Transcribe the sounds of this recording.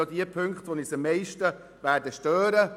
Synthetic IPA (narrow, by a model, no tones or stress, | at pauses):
odiəpʰʏŋkχt̪ʋonisəmːɛɪʃtə | væːɾdəʃtøːɾə